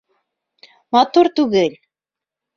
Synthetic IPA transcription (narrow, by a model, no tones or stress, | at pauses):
mɑt̪uɾt̪ʉɡɘl